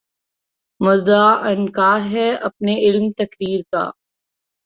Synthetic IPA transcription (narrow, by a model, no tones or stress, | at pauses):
mʊdaːɐnkaːɦɛɐpneɪlmt̪ɐkɾiːɾka̰ː